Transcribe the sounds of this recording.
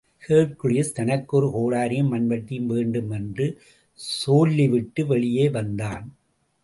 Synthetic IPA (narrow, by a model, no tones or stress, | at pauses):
heːpkɯɻɪjɐst̪ɐnɐkːɔɾɯkoːɽaːɾɪjɯmmːɐnʋɐʈːɪjmʋeːɳɖɯmɛndrɯ | soːlːiʋɪʈːɯʋɛɭɪjeːʋɐnd̪aːn